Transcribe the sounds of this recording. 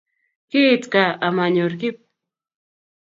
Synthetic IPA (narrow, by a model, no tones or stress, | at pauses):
kit͡skaamaɲoɾkɪp̚